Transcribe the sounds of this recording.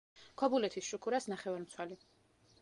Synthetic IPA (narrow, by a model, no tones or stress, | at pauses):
kʰɔbulɛt̪ʰisʃukʰuɾasnaχɛvaɾmt̪sʰwɛli